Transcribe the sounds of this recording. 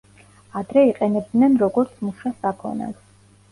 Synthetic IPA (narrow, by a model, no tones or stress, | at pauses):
ad̪ɾɛiqʼɛnɛb̚d̪nɛnɾɔɡɔɾt̪sʰmuʃasakʰɔ̰na̰s